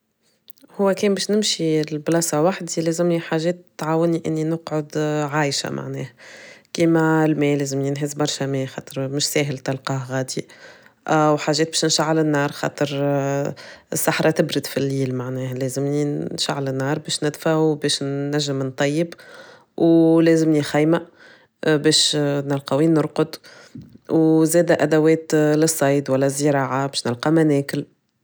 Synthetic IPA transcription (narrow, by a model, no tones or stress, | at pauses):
hʊwːækɛːmbɛːʃnɪmʃilblɑsɑwaħd̪ilɛːzɪmniħaːʒɛːt̪ːʕaːwɪniʔɪnːinʊqʕʊd̪ʕaːjʃa̰mʔa̰ʕnɛ̰ːhkiːmælmɛːlɛːzɪmɪnɦɪzbɑɾˤʃæmɛːxɑ̰ːt̪ˤəɾmʊʃsɛːɦɪlt̪ɑlqɑːhɣɑːd̪i | ʔæwħaːʒːɛːt̪̚bɛːʃnʃaʕːalɪnːɑːɾˤxɑ̰ːt̪ˤəɾ | ɪsːaħɾˤɑt̪ɪbɾɪd̪filːiːlmaʕnɛːhælɛːzɪmninʃa̰ʕːlɪnːɑːɾˤbɛːʃnɪd̪faʕbɛːʃnːæʒːɪmnt̪ˤɑjːəb | wlɛːzɪmnixæjma | bɛːʃnɪlqɑwiːnʊɾqʊd̪ | wzɛːd̪æʔæd̪æwɛːt̪lɪsˤːɑjd̪wælːɛzːəɾɑːʕabɛːʃnɪlqɑmænɛːkɪl